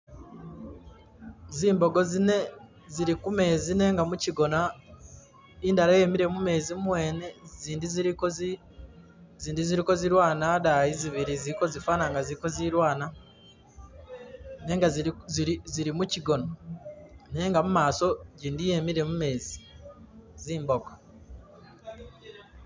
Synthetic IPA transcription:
ziːmbo̞ɡo̞zine̞ | ziɾikume̞ːzine̞ːŋɡamuciɡo̞na | iːndaɾaje̞ːmiɾe̞mume̞ːzimwe̞ːne̞ziːndiziɾikozi | ziːndiziɾiko̞ziɾwaːnadaiziβiɾiziɾko̞zifaːnaŋɡaziɾiko̞ziɾwaːna | ne̞ːŋɡaziziɾiziɾimuciɡo̞no | ne̞ːŋɡamumaːso̞ɟiːndije̞miɾe̞mume̞ːzi | ziːmboɡḁ

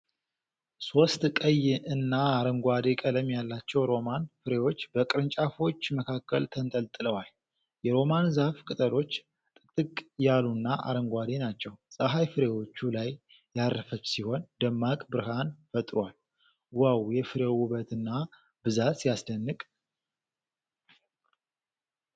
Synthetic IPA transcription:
so̞st̪kʼəjɨnːaaɾəŋɡʷad̪e̞kʼələmjalːat͡ʃːɛwɾo̞manfɨɾe̞wo̞t͡ʃːbəkʼɨɾɨnt͡ʃʼafo̞t͡ʃːməkʰakːəlt̪ʰənt̪ʼəlt̪ʼɨləwal | jɛɾo̞manzahfkʼɨt̪ʼəlo̞t͡ʃː | t̪ʼɨt̪ʼɨkʼjalunːaʔa̰ɾəŋɡʷad̪e̞nat͡ʃːɛwsʼaɦajfɨɾe̞wo̞t͡ʃːulajː | arːəfət͡ʃːsiho̞nd̪əmːakʼbɨɾɨhanfət̪ʼɾwal | wawjɛfɨɾewuβət̪ɨnːa | bɨzat̪jasd̪ənːɨkʼ

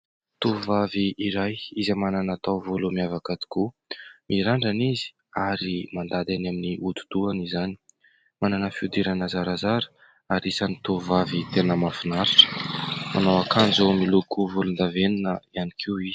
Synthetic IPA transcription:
t̪uuvaviiɾajizamananat̪awvolumiavakad̪i̥ku | mʔiɾaɳɖ͡ʐanizi̥ | aɾimand̪ad̪anaminiʔut̪u̥d̪̥uanizani̥ | mananəfiud̪iɾanəzaɾazaɾə̥ | aɾisanit̪uuvavit̪enəmafinaɾaʈ͡ʂə̥mʔanawakʰand͡zomilukuvulund̪avenunəianikʰiwiz̥

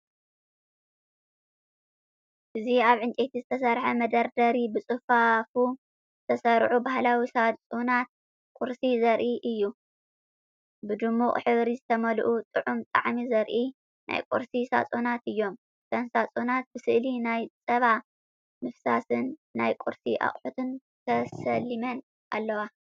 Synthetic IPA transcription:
ʔɨziaβʕɨnt͡ʃʼet̪ʰizɨt̪ʰɐsɐɾħɐmɐd̪ɐɾd̪ɐɾibɨt͡sʼɨfafu | zɨt̪ʰɐsɐɾʕubahlawisat͡sʼonat̪̚ | kʼʊɾsizɐɾʔiʔɨjːu | bɨd̪ɨmːuχʼħɨβɾizɨt̪ʰɐmɐlʔut̪ʼɨʕumt̪ʼa̰ʕmizɐɾʔi | nʔa̰jkʼṵɾsisa̰t͡sʼonat̪ɨjːo̞m | sʰɐnsat͡sʼonat̪̚bɨsɨʔlinajt͡sʼɐβa | mɨfsasɨnːajkʼuɾsiʔa̰χʼħut̪ʰɨn | t̪ʰɐsɐlːimɐn | ʔa̰lːɐwa

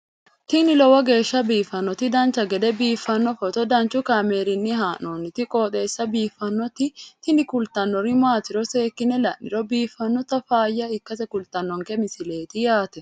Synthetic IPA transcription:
t̪ɪnɪlɔwɐɡe̞ːʃːɐbiːfɐnːɔt̪ɪd̪ɐnt͡ʃɐɡɛd̪ɛbiːfːɐnːɔfɔt̪ɔd̪ɐnt͡ʃʊkameːɾɪnːɪɦaːnoːnːɪt̪ɪkʼoːt̪ʼe̞ːsːɐbiːfːɐnːɔt̪ɪt̪ɪnɪkʊlt̪ɐnːɔɾɪmaːt̪ɪɾɔseːkːɪnːɛlɐnːɪ̰ɾɔbiːfːɐnːɔt̪ɐfaːjːɐɪkːɐsɛkʊlt̪ɐnːɔŋkɛmɪsɪle̞ːt̪ɪjaːt̪ɛ

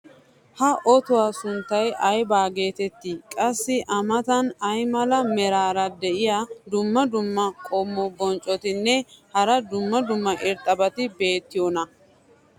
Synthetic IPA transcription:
hɐʔɔt̪ʊwaːsʊnt̪ːɐjʔɐjbaːɡe̞ːt̪ɛt̪ːikʼɐsːɪʔɐmɐt̪ɐnɐjmɐlɐmɛɾaːɾɐd̪ɛʔɪjad̪ʊmːɐd̪ʊmːɐkʼɔmːɔbɔnt͡ʃʼːɔt̪ɪnːɛhɐɾɐd̪ʊmːɐd̪ʊmːɐʔɪɾt̪ʼːɐbɐt̪ɪbe̞ːt̪ːɪjɔnɐ

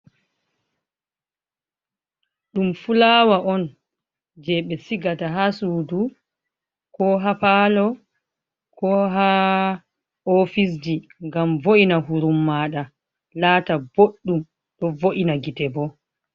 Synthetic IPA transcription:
ɗumfulaːwaʔɔn | d͡ʒɛɓɛsiɡataɦasuːdu | kɔɦapalɔ | kʰɔɦa | ofis̬d͡ʒiŋɡamvoʔinaɦuɾumːaːɗa | laːtab̥oɗːum | ɗɔvoʔinaɡitɛbɔ

